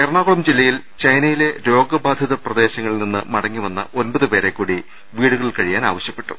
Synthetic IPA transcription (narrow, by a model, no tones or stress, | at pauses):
erɳaːɣoɭɐmd͡ʑilːɐjil | t͡ɕɐjnɐjile̞ɾo̞ːɡɐbaːd̪ʱjiðɐprɐd̪e̞ːɕɐŋːɐɭninːɨ̰mɐɽɐŋːiʋɐnːɐ̰o̞nbɐðupe̞ːɾe̞kːuːɽi | ʋiːɽuɣɐɭɭkɐɻijaːna̰ːʋɐɕjɐpːe̞̥ʈːu